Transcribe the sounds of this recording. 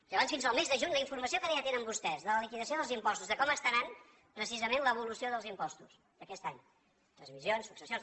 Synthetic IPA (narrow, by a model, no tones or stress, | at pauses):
əβansfinzəlˠmezðəʒuɲləiɱfuɾməsiokənɛat̪enəmbust̪ɛzðələlikiðəsioðəlˠzimpɔst̪uzðəkɔməst̪anan | pɾəsizəmenləβulusioðəlˠzimpɔst̪us | d̪əkɛst̪aɲ | t̪ɾənzmizjonsːuksəsjon